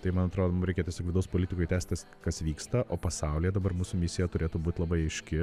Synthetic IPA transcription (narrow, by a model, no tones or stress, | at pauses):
t̪ɐɪmɐnɐt̪ɾoːd̪omʊmɾʲɛɪkʲeɛt̪ʲiɛsʲoːkʋʲɪd̪ɐʊspoːlʲɪt̪ʲɪkoɪt̪ʲæːst̪̚ʲt̪ɐs | kɐsʋʲiːkst̪ɐʔoːpɐsɐʊlʲɪjɛd̪ɐbɐɾmuːsʊmʲɪsʲɪjɛt̪ʊɾʲeːt̪uːbuːt̪ʲlˠɐbɐɪɐɪʃʲkʲɪ